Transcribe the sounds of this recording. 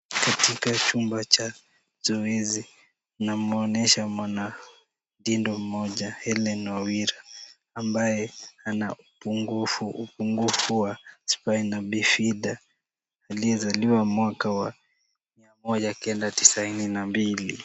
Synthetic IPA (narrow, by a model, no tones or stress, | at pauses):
katikat͡ʃumbat͡ʃa | z̥ɔɛzi | namɔnɛʃamwana | dindɔm̩mɔʄahɛlɛnawiɾaː | mbajɛanaupuŋɡufuupuŋɡufuwaspainaɓifiɗa | aliɛzaliwamwakawa | miamɔʄakɛndati̥saininambilḭ